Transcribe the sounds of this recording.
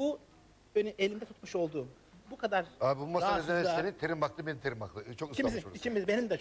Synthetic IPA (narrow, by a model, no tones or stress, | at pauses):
bu | ønyelʲind̪ɛt̪ʰu̥t̪muʃo̞lˠd̪uːm | bukʰad̪aɾaːbibumasaaezenɛsasenit̪ʰeɾimbaklˠɯbenimt̪ʰeɾimaklˠɯt͡ʃʰo̞kɯsʃimizioɾit͡ʃʰimizbenimd̪ɛt͡ʃ